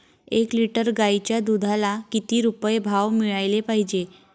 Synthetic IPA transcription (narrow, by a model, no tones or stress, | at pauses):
ekliʈəɾɡait͡ɕjad̪ud̪ʱalakit̪iːɾupəjbʱaʋmiɭajlepaɦid͡ʑe